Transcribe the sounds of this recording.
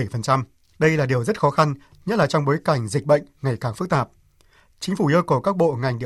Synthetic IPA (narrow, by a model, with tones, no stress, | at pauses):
jfə˨˩nt͡ɕa˧m | ɗə˧jlaː˨˩ɗi˨˩əwzə˦˥t̚xɔ˨˦xa˧n | ɲə˦˥t̚laː˨˩t͡ɕɔ˧wŋ͡mɓo˨˦jka˧˩jŋ̟zi˨˩k̟̚ɓə̰˧˨jŋ̟ŋa˨˩jkaː˧˩ŋfɨ˦˥k̚t̪aː˨˩p̚ | t͡ɕï˨˦ŋ̟fu˧˩ʔə˧kə˧˩kaː˦˥k̚ɓo̰˧˨ŋa˨˩jŋ̟ɗḭ˧˨